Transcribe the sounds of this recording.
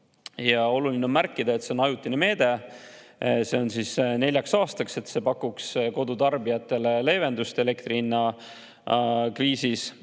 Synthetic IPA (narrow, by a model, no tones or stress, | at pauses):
jɑo̞lulinemærkːˑid̪ɑe̞t̪se̞o̞nɑjut̪ːˑineme̞ːd̪̥e̞ | se̞o̞nsisne̞lʲjɑksɑːst̪ɑkse̞t̪se̞pɑkːuksko̞d̪̥ut̪ɑrbijɑt̪ːˑe̞lele̞ːve̞nd̪ust̪e̞le̞kt̪rinːɑ | kriːsis